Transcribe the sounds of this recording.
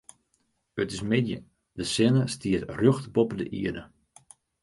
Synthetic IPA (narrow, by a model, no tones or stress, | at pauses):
ətɪsmɪdjə̰ | dəsɪnəstiətrøxtbɔpədə̰ʔḭədə